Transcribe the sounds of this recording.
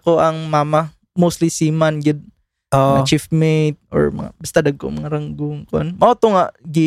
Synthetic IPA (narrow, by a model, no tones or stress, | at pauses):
koʔɐŋmaːmɐ | mowst̪lisiːmɐnɡɪd̪̚ | oɐŋat͡ʃifmet̪̚ʔo̰ɹmɐ̰ŋa̰bɐst̪ad̪ɐɡ̚ko̰mɐŋaɾɐŋɡʊŋkoʔanmɐʔot̪oŋaʔɡɪ